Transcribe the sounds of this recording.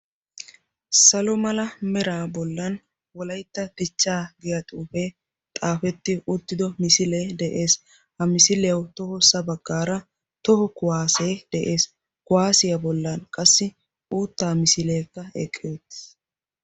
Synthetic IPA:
sɐlɔmɐlɐmɛɾaːbɔlːɐn | wɔlɐjt̪ːɐd̪̥ɪt͡ʃːaːɡɪjɐt̪ʼuːfeː | t̪ʼaːfɛt̪ːɪʔʊt̪ːɪd̪ɔmɪsɪleːd̪ɛʔe̞ːs | hɐmɪsɪlɪjɐwt̪ɔhɔsɐbɐɡːaːɾɐ | t̪ɔhɔkʊwaːseːd̪̥ɛʔeːs | kʊwaːsɪjɐbɔlːɐnkʼɐsːɪ | uːt̪ːaːmɪsɪle̞ːkːɐɛ̰kʼːeːt̪ːɪ̥

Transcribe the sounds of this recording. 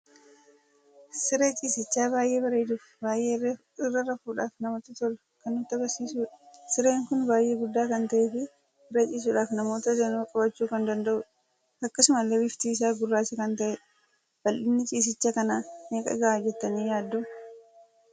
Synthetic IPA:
sɪɾe̞ːt͡ʃʼiːsɪt͡ʃːaːβaːjʔe̞ːbɐɾeːd̪uːf | baːjʔe̞ː | ɪrːɐrɐfuːᶑaːfnɐmoːt̪ɐt̪ɔl | kɐnːʊt̪ːɐɡɐɾsiːsuːᶑɐsɪɾeːŋkʊnbaːjʔe̞ːɡʊd̪ːaːkɐnt̪ɐʔeːfɪ | ɪrɐt͡ʃʼiːs̬uːᶑaːfnɐmo̞ːt̪ɐd͡ʒɛnuːkʼɐbɐt͡ʃːuːkɐnd̪ɐnd̪ɐʔʊ | ɐkːɐsʊmɐlːebɪft̪iːɪs̬aːɡʊrːaːsɛkɐnt̪ɐʔɛ | b̥ɐlʔɪnːɪt͡ʃʼiːs̬ɪt͡ʃːaːkɐnaːneːkʼɐ̰ɡɐʔaːd͡ʒɛt̪ːɐniːjaːd̪ːʊ

